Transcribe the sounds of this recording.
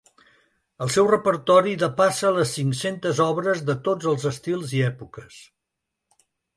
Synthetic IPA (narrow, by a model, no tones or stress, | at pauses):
əlˠsɛwrəpəɾt̪ɔɾiðəpasələsːiŋsent̪əzɔβɾəzðət̪od͡zəlˠzəst̪ilˠziɛpukəs